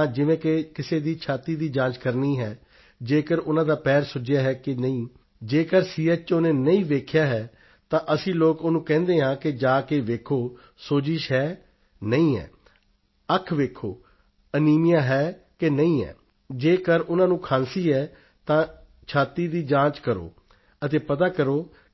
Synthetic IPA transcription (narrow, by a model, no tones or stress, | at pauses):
d͡ʒɪʋẽːkɪkɪseːd̪iːt͡ʃʰaːt̪iːd̪iːd͡ʒãːt͡ʃkəɾniːɦɛː | d͡ʒeːkəɾʊnãːd̪aːpɛːɾsʊd͡ʒjaːɦɛːkɪnəĩː | d͡ʒeːkəɾsiːɛt͡ʃt͡ʃoːnẽːnəĩːʋeːkʰjaːɦɛː | t̪ãːʔəsĩːloːkonũːkɛ̃ːnd̪eːɦãːkɪd͡ʒaːkeːʋeːkʰoː | soːd͡ʒɪʃɦɛː | nəĩːɛ̰ː | əkʰʋeːkʰːo̰ː | əniːmɪjaːɦɛː | kenəĩːɛ̰ː | d͡ʒeːkəɾʊnãːnũːkʰãːnsiːɦɛː | t̪ãː | t͡ʃʰaːt̪iːd̪iːd͡ʒãːt͡ʃkəɾo̰ː | ət̪eːpət̪̬aːkəɾoː